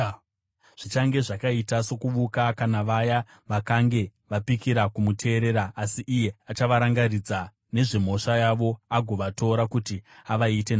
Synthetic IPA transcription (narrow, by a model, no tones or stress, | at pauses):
ʐ̥it͡ʃaŋɡe̞ʐakaitaso̞kuʋukakanaʋaja | ʋakaŋɡe̞ʋapikiɾakumutʰe̞ːɾe̞ɾaːsiʔːje̞at͡ʃaʋaɾaŋɡarid͡za | ne̞ʐem̤o̞ʂajaʋo̞aɡʱo̞ʋatʰo̞ɾakutiaʋaite̞n